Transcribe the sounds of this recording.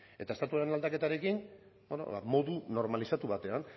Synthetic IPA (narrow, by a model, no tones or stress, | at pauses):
e̞t̪ae̞st̪at̪uaɾe̞nald̪ake̞t̪aɾe̞kin | bono̰βamo̞ðuno̞ɾmalisat̪uβat̪e̞an